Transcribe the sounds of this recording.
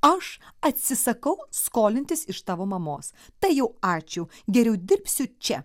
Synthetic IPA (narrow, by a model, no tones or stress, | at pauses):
ɐʃɐt̪ʲsʲɪsɐkɐʊskoːlʲɪnʲt̪ʲɪsɪʃt̪ɑːʋoːmɐmoːst̪ɐɪjɛʊɑːt͡ʃʲʊɡʲɛɾʲɛʊd̪ʲɪɾʲpʲsʲʊt͡ʃʲɛ